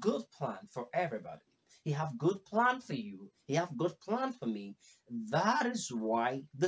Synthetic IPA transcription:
ɡʊd̚pʰl̥æ̰̃nfə˞ʔɛvɹibɑ̰ɾi | hiəvɡʊd̚pʰl̥æ̃nfə˞juhiəvɡʊd̚pʰl̥æ̃nfə˞mi | ðəɾɪzwaɪðɨ

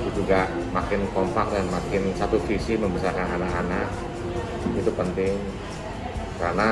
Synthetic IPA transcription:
t̪ud͡ʒuɡa | makɪnkɔmpak̚danmakɪnsat̪ufisiməmbəsarkanɦanaɦanaʔ | it̪upənt̪ɪŋ | karna

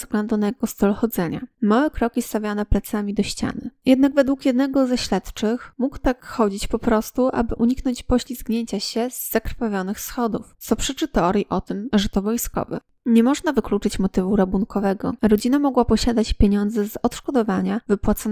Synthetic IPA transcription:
zvɡlɛnd̪unjɡɔst̪ɔlxɔd̪zɛɲa̰mawɛkɾɔkʲist̪avʲjanɛplɛat̪samʲid̪ɔɕt͡ɕa̰nɘjɛd̪̚naɡvɛd̪wukjɛd̪nɛɡɔzaɕlɛt̪t͡ʂɘxmukt̪akxɔd͡ʑit͡ɕpɔpɾɔst̪uʔa̰bɘʔuɲiknɔɲt͡ɕpɔɕlʲiskɲeɲt͡ɕaɕɛzːakɾfavʲjɔnɘxsxɔd̪ṵft̪sɔpʂɘt͡ʂɘt̪ɛɔɾjiʔɔt̪ɘmʐɛt̪ɔvɔjskɔ̰vɛ̰ | ɲɛmɔʐnavɘklut͡ʂɘt͡ɕmɔt̪ɘvuɾabunkɔvɛɡɔ̰ɾɔd͡ʑinamɔɡwapɔɕad̪at͡ɕpʲjeɲɔnd̪zɛzɔt̪ʂkɔd̪ɔvaɲavɘpwat̪sɔn

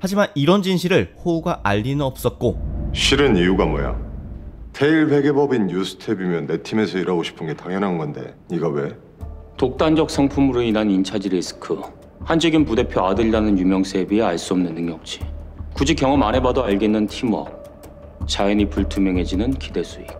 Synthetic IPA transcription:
had͡ʑimaniɾʌnd͡ʑinɕʰiɾɯɭɸouɡaʔaʎːinɯʌp̚s͈ʌt̚k͈oɕʰiɾɯnijuɡamʌja̰ | tʰeiɭɸe̞ɡe̞bʌbinːjusʰɯ̥tʰebimjʌnːe̞tʰime̞sʰʌiɾaɡoɕʰi̥pʰɯnɡe̞taŋjʌnɦanɡʌnde̞̰ɲiɡawe̞ | tok̚t͈and͡ʑʌk̚s͈ʰʌŋpʰumuɾoinɦanint͡ɕʰad͡ʑiɾesʰɯ̥kʰɯ | hand͡ʑʰʌɡinpude̞pʰjoadɯɭdanɯnjumjʌŋsʰe̞bieaɭs͈uʌmnɯnːɯŋjʌk̚t͡ɕ͈i̥kud͡ʑikjʌŋʌmane̞badoaɭɡenːɯntʰimwʌ̰ | t͡ɕajʌnipuɭtʰumjʌŋɦe̞d͡ʑinɯnkide̞s͈ʰui

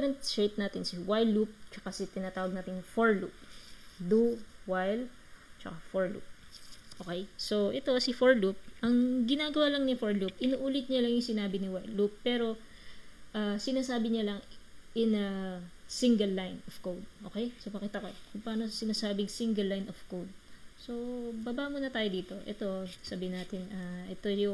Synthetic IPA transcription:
ɾɐnt̪sɹet̪̚naːt̪ɪnsɪwajlup̚t͡ʃɐkasɪt̪ɪnat̪aːwɐɡ̚naːt̪ɪnfoɹlup̚d̪uwajl | t͡ʃɐkafoɹlṵp̚ʔoːkɛjso̞ʔɛt̪o̞sɪfoɹlup̚ʔɐŋɡɪnaːɡɐwaːlɐŋnɪfoɹlup̚ʔɪnuʔuːlɪt̪̚ɲɐlɐŋjʊŋsɪnaːbɪnɪwajlupːɛːɾo̞ | ʔasɪnaːsaːbɪɲɐlɐŋʔɪnɐsɪŋɡɐlːajnofkowd̪̚ʔoːkɛjsopɐkiːt̪ɐkokʊŋpaːno̞sɪnaːsaːbɪŋsɪŋɡɐlːajnov̥kowd̪̚so̞babaʔmuːnɐt̪aːjod̪iːt̪o̞ʔɛ̰t̪o̞sabɪɪnaːt̪ɪnaʔɛt̪ojʊ

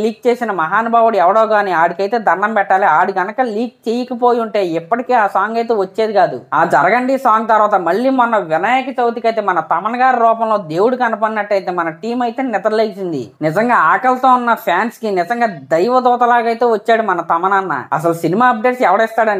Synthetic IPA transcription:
liːk̚t͡ʃe̞ːsinɐmɐɦaːnubʱaːʋuɽuɛʋɐɽoːkaːniaːɽikɐjt̪e̞ːd̪ʱɐɾɳɐmpɛʈːaːliaːɽiɡɐnɐkɐliːk̚t͡ʃeːjikɐpo̞ːjiuɳʈe̞ːipːɐʈikeːaːsaːŋɡɐjt̪eːʋɐt͡ʃːe̞ːd̪iɡaːd̪uaːd͡ʒɐɾɐɡɐɳɖisaːŋɡ̚t̪ɐɾʋaːt̪ɐmɐɭːiːmɔnːɐʋɪnaːjɐkɐt͡ʃɐwut̪ikɐjt̪e̞ːmɐnɐt̪ɐmɐnɐɡaːɾiɾɔːpɐmloːd̪e̞ːwuɽukɐnupɐninɐʈːɐjt̪e̞ːmɐnɐʈiːmɐjt̪e̞ːnɛt̪ɐɾleːkt͡ʃind̪ḭnɪzɐŋɡaːaːkɐlt̪oːunːɐpʰjaːnskinɪzɐŋɡaːd̪ɐjʋɐd̪ɔːt̪ɐlaːɡɐjt̪e̞ːʋɐt͡ʃːaːɽumɐnɐt̪ɐmɐnanːa̰ɐ̰s̬ɐlusinimaːɐb̚ɖe̞ːʈsɛʋɐɽɐist̪aːɽɐni

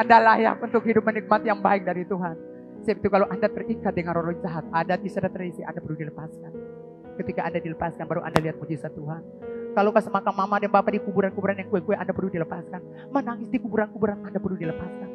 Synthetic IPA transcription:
ʔandalaja̰kunt̪ʊkhidʊp̚mənik̚mat̪jaŋba̰ɪk̚daɾit̪uɦan | səapit̪ukaloʔandat̪ərikat̪̚dəŋanrolɔd͡ʒaɦat̪̚adat̪isadat̪əɾisia̰ndapərludiləpaskan | kət̪ikaʔandadiləpaskanbaɾuʔa̰ndaliɦat̪̚mud͡ʒisat̪uɦan | kalokasəmakamamadənbapadikubuɾankubuɾanjaŋkuɛkuɛʔandapərludiləpaskan | manaŋɪsdikubuɾankubuɾanandapərludiləpaskan

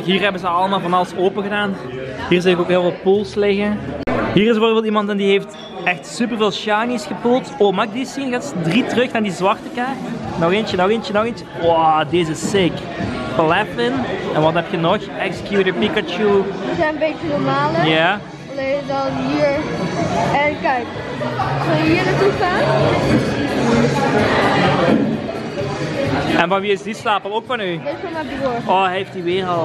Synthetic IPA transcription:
ɦiːrɦɛbəzəɑlˠəmaːlˠvɑnɑlˠəsoːpəɣədaːn | ɦiːrzɪlɪkoːkɦeːlˠvɑlpulˠslɪɣəɦiːrɪsvoːrvɪlˠimɑntɛndiɦeːft | ɛxtsyp̬ərveːlˠʃjanisxəpulˠtoːmaːɪɡ̚disinɣaːtsdritərɵxnaːrdizʋɑrtəkanɔɣeːnt͡ʃənɔɣeːnt͡ʃənɔɣeːnəwɔdezəsɪk | pəlɛfɪnɛnʋɑtɛp̚txənɔxɛksə̥kjuɾəpikət͡ʃuəzɛnənbeːt͡ʃənɔɹmaːləja | levədɑnɦiːɹ | ɛnkɛjk | səlˠjəɦiːɹnatufaːnɔɔi | ɛnvɑnʋiːɪzdistaːpəlˠoːkfɑnynesfɔmabloɹʔɔɦɛftiʋeːʁɑlˠ

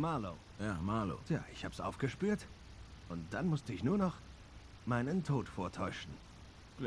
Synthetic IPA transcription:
maːloː | jaːmalo̰ja̰ːʔɪçhaːbəsʔa̰ʊfɡ̥əʃpyːɐt | ʔʊnt̚d̥anmʊstəɪçnuːɐnɔχ | maɪnəntʰoːtfoːɐtʰɔʏʃn̩̥ | l

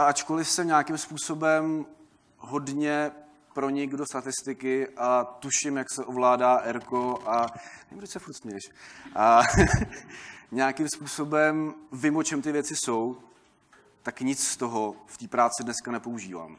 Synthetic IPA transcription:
ʔaat͡ʃkolɪfsɛɲaːkɪmspuːso̞bɛm | ɦo̞dɲɛ | pɾo̞ɲɪɡdo̞st̪at̪ɪst̪ɪkɪʔat̪uʃɪmjaksɛʔovlaːdaːʔɛɾko̞ʔanɛɪmdocsɛfuɾt̪smɛʃʔa | ɲaːkɪmspuːso̞bɛmvɪmot͡ʃɛmt̪ɪvjɛt͡sɪsow | t̪akɲɪt͡sst̪o̞ɦoft̪iːpɾaːt͡sɪdnɛskanɛpo̞uʒiːva̰ːm

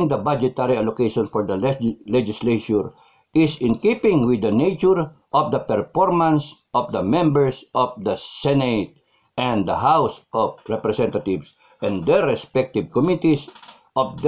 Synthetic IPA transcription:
ŋd̪ɐbad͡ʒɛt̪aɾialokeʃɔ̃nfɔɹd̪ɐlɛd͡ʒɪsleʃʊɹ | ʔɪsɪ̃nkipɪ̃ŋwɪd̪ɐnejt͡ʃʊɹ | ʔɔfd̪ɐpɛɹfɔɹmãnsʔɔfd̪ɐmɛ̃mbɛɹsʔɔfd̪ɐsɛnet̪̚ | ʔɛ̃nd̪ɐɦawsʔɔfɹɛpɾɛsɛ̃nt̪at̪ɪvs | ʔɛ̃nd̪ɛɹɛspɛk̚t̪ɪvkɔmit̪is | ʔɔfd̪

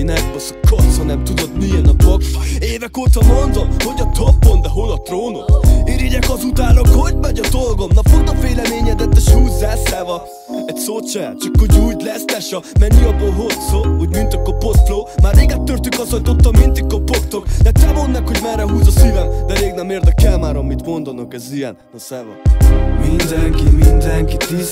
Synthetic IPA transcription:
inɛbɔskot̪sɒnɛmt̪ud̪ot̪niɛnɒd̪olɡeːvɛkoːt̪ɒmond̪omho̞ɟɒt̪opːond̪ɛɦolɒt̪roːnot̪eːɾiɟɛkɒzut̪aːnokhoɟmɛɟɒd̪olɡomnɒfot̪ɔfeːlɛmeːɲɛd̪ɛt̪ːɛʃhuːzːaːsaːvɒ | ɛcʲsot͡ʃɛja̰ːt̪t͡ʃikːoɟuːjt̪lɛslɛʃɒmɛɲːiɒbːoːlɦotsoːhoɟmynt̪økːɒpost̪floːmaːrmeːɡɛt̪ːørt̪ykɒsɒnt̪ot̪ːɒmmint̪ikːɒpokt̪okd̪ɛt̪ɛmo̞nːɛkho̞ɟmɛrːɛɦuːzɒsiːvɛmd̪ɛleːɡnɛmːeːrt̪ɛkɛlmaːɾɒmit̪mo̞nd̪ɒnokɛzijɛ̰n | ɒsɛvɔ̰mind̪ɛŋkimind̪ɛŋkit̪i

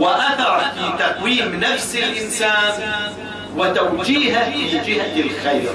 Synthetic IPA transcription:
wɪʔaθɑɾˤfiːt̪aqwiːmnafsɪlʔɪnsaːn | wɪt̪awd͡ʒiːɦalɪd͡ʒɪhd̪ɪlxajɾ

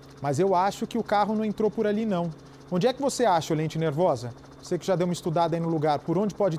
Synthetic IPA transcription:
mɐzewaʃʊkɪʊkaɦʊnɐ̃w̃ẽt̪ɾowpʊɾalinɐ̃w̃ | õnd͡ʒɪɛkɪvoseaʃɐʊlẽnt͡ʃɪneɾvɔzɐ | vosekɪʒad̪ewmɐist̪ud̪ad̪ɐinʊluɡaɾpʊɾõnd͡ʒɪpɔd͡ʒɪ

